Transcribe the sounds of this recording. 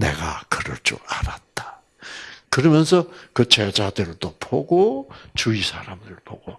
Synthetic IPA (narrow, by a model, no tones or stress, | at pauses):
nḛɡakɯɾʌɭt͡ɕ͈ṵaɾat̚t͈ḁ | kɯɾʌmjʌnsʰʌkɯt͡ɕed͡ʑadɯɾɯɭt͈opoɡot͡ɕuisʰaɾamdɯɾɯɭpo̰ɡ̥o